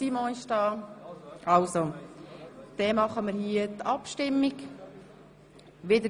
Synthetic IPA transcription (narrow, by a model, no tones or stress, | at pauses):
imɔ̃ɪʃdɑː | ʔɑlso | d̥ɛmɑχəməɾhiətɑpʃtɪmːik | ʋɪdə